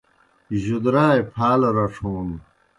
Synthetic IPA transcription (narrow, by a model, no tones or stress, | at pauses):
ʑud̪ɾaːepʰaːlɐɾɐʈ͡ʂʰuːn